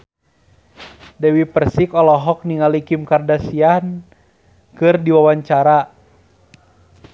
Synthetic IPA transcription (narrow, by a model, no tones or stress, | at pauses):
dɛwipərsikɔlɔɦɔk̚niŋalikimkardasian | kɨrdiwawaɲt͡ʃaɾa